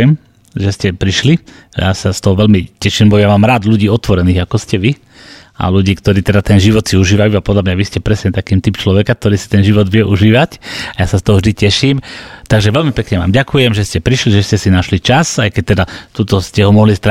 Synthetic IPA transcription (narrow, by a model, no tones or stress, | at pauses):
ɛm | ʒɛscɛpɾiʃlija̰sast̪ɔɦɔʋɛlmicɛʃiːmbɔjamaːmɾaːd̪ʎuɟiːɔt̪ʋɔɾɛniːɣakɔscɛʋi | a̰luɟiːkt̪ɔɾiːt̪ɛd̪at̪ɛnʒiʋɔt̪siuʒiːʋajuːapɔd̪lamɲaʋiscɛpɾɛsɲɛt̪akiːmt̪ipt͡ʃlɔʋɛkak̚t̪ɔɾiːsi̥t̪ɛnʒiʋɔd̪ʋɪɛʔuʒiːʋacajaːsast̪ɔɦɔvʒd̪icɛʃiːmt̪aɡʒɛʋɛlmipɛkɲɛʋa̰ːmɟakujɛmʒɛscɛpɾiʃliʒɛscɛsinaʃlit͡ʃasajkɛc̚t̪ɛd̪at̪uːt̪ɔscɛɦɔmɔɦlist̪ɾa